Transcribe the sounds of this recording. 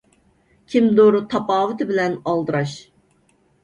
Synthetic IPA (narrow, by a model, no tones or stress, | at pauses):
kʲʰimd̪oɾʊt̪ʰɑpɑːvɨt̪ʰɨbɪlɛnɑlˠd̪ɨɾɑʃ